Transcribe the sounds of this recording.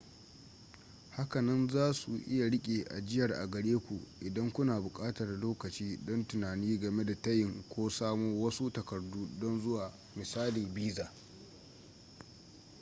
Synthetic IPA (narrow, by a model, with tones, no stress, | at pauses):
ha˦kɐ˨nɐ˦nzaː˦sṵ˨ʔɪ˦ja˨ɽɪ˦kʲʼeː˨ʔa̰˨d͡ʒɪ˦jɐ˨rʔa̰˨ɡɐ˨ɽeː˦kʷu˨ʔɪ˨dɐ˦ŋkʷʊ˦naː˨bʊ˨kʼaː˦tɐ˨rloː˦kɐ˨t͡ʃiː˦dɔ˦ntʊ˨naː˨niː˦ɡɐ˨me˦da˨tɐ˦jɪ˨ŋkʷoː˦saː˦moː˦wɐ˦su˦tɐ˨kɐ˨rduː˦dɔ˦nzʊ˦waː˨ | mɪ˨saː˦liː˨biː˦zaː˨